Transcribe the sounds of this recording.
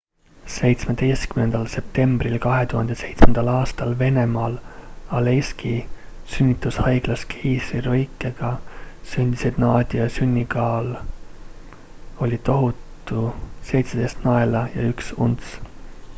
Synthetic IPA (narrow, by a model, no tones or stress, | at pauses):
se̞jt̪sme̞d̪̥e̞jst̪kymne̞nd̪̥ɑlse̞p̚t̪e̞mb̥rilkɑɦe̞t̪uhɑnd̪ese̞jt̪smend̪̥ɑlɑːst̪ɑlve̞ne̞mɑːlɑleski | synʲːit̪ˑːushɑjɡ̥lɑskʰiːsriɾojkːˑeɡ̥ɑsynʲd̪̥isid̪nɑːd̪̥ʲiɑsynʲːikɑːl | o̞lʲit̪o̞ɦut̪ːˑuse̞jt̪sed̪e̞jst̪nɑe̞lɑjɑ̰yksṵnt̪s